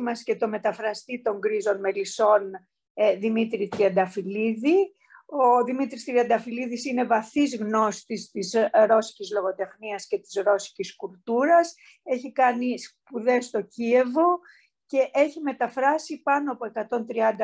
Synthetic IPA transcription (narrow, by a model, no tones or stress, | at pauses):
mɐsce̞t̪o̞me̞t̪ɐfɾɐst̪it̪oŋɡɾizo̞nme̞liso̞n | ðimit̪ɾit̪ɾiɐnd̪ɐfiliði | o̞ðimit̪ɾist̪ɾiɐnd̪ɐfiliðisine̞vɐθizɣno̞st̪ist̪izɾo̞si̥cizlo̞ɣo̞t̪e̞xniɐsce̞t̪i̥zɾo̞si̥ciskult̪uɾɐs | e̞çikɐnispuðe̞st̪o̞cie̞vo̞ | ce̞ʔe̞çime̞t̪ɐfɾɐsipɐnoɐpo̞e̞kɐt̪o̞nt̪ɾiɐnd̪ɐ